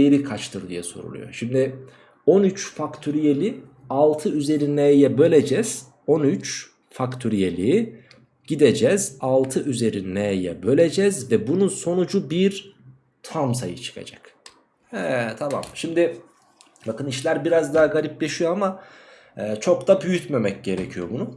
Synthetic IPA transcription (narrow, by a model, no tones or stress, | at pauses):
eɾikʰat͡ʃt̪ʰɯɾd̪ijɛso̞̰ɾṵlˠṵjo̞̰ʃimd̪ɪ | o̞nyt͡ʃfakt̪ʰyɾijelʲi | alˠt̪ʰɯyze̞ɾinɛjɛbø̞lʲe̞d͡ʒɛz̥ | o̞nyt͡ʃ | fakt̪ʰyɾijelʲiː | ɟ̥id̪e̞d͡ʒɛz̥alˠt̪ʰɯʔyze̞ɾinnejɛ̰bø̞lʲe̞d͡ʒɛzvɛbununso̞nud͡ʒubiɾ | t̪ʰams̬a̰jɯ̰t͡ʃʰɯ̥kʰa̰d͡ʒa̰k | ɛt̪ʰama̰mʃimd̪ɪ | bakɯniʃlʲæɾbiɾazd̪aɦaɡaɾʲip̚lʲe̞ʃijo̞ama | ɛːt͡ʃʰo̞k̚t̪abyjyt̪memɛc̚ɟe̞ɾecʰijo̞bunʊ